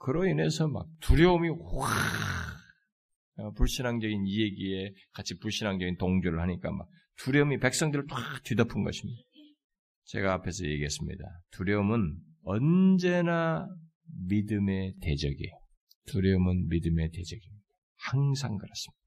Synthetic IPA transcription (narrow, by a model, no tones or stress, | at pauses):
kɯɾʌine̞sʰʌma̰k̚tuɾjʌumi | ʌpuɭɕ͈inɦaŋd͡ʑʌɡinieɡie̞kat͡ɕʰipuɭɕ͈ʰinɦaŋd͡ʑʌɡintoŋd͡ʑuɾɯɭhaɲik͈a̰ma̰k̚ | tuɾjʌumipe̞k̚s͈ʌŋdɯɾɯɭt͈waktɥidʌpʰɯnɡʌɕʰimɲi | t͡ɕe̞̰ɡaːpʰe̞sʰʌje̞ɡiɦes͈ɯmɲḭda̰tuɾjʌɯmɯn | ʌnd͡ʑe̞na | midɯme̞te̞d͡ʑʌɡḭjo | tuɾjʌɯmɯnmidɯme̞te̞d͡ʑʌɡimɲid̥a | haŋsʰaŋɡɯɾas͈ɯ̥mɲid̥ḁ